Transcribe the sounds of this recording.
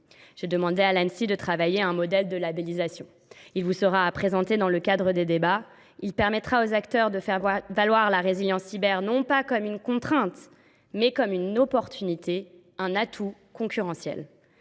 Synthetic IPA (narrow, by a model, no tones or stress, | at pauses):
ʒ̥ed̪əmɑ̃d̪ealɛ̃nsid̪ət̪χavajeɛ̃mɔd̪ɛld̪əlabelizasjɔ̃ | ilvusəʁaːpχezɑ̃t̪ed̪ɑ̃ləkad̪ʁəd̪ed̪eba | ilpɛʁmɛt̪χaozakt̪œʁd̪əfɛvalwaʁlaʁeziljɑ̃sibɛʁnɔ̃pakɔmynkɔ̃t̪χɛ̃t̪ | mɛkɔmynɔpɔʁt̪ʰynit̪e | ɛ̃nat̪ʰukɔ̃kʲyʁɑ̃sjɛ̰l